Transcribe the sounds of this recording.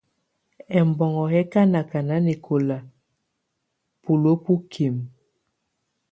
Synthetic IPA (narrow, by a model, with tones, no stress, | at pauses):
ɛ˨mbɔ˨ŋɔ˨ɦɛ˦ka˦na˨ka˨na˦ne˨kʰo˨la˨ | pu˨lo˦pu˦kʰi˨m